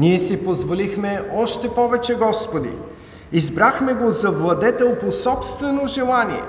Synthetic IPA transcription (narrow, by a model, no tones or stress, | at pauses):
niɛsipozvolixmɛɔʃt̪ɛpɔvɛt͡ʃɛɡɔspod̪ḭ | izbɾaxmɛɡozɐvlˠɐd̪ɛt̪ɛlˠposɔpst̪vɛnoʒɛlˠaniɛ̰